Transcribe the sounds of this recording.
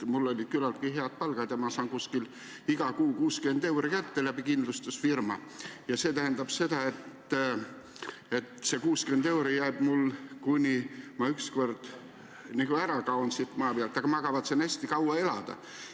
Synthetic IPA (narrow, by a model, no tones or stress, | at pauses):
mulːo̞lʲid̪̥̚kylɑlt̪kiɦe̞ɑd̪̥̚pɑlɡ̥ɑd̪̥jɑmɑsɑːnkuskil | iɡ̥ɑkuːkuːske̞nd̪e̞wɾikæt̪ːelæbikind̪lust̪usfirmɑ̰jɑse̞ːt̪æɦend̪ɑb̥se̞d̪ɑe̞t̪ː | e̞t̪se̞kuːskyed̪e̞wɾijæib̥mulkunʲimɑyksko̞rd̪̥ | niɡ̥uæɾɑkɑonsit̪ːˑmɑːpeɑlt̪ːˑɑɡ̥ɑmɑɡ̥ɑvɑt̪senæsʲt̪ikɑwɑe̞lɑd̪̥ɑ̰